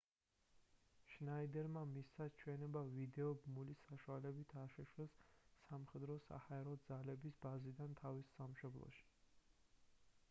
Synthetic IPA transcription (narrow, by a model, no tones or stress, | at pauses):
ʃnaid̪ɛɾmamisat͡ʃʰwɛnɛbavid̪ɛɔbmulisaʃualɛbit̪ʰaʃɛʃwɛsːamχɛd̪ɾɔsa̰haɛɾɔd̪zalɛbisbazid̪ant̪ʰavisːamʃɔblˠɔ̰ʃi̥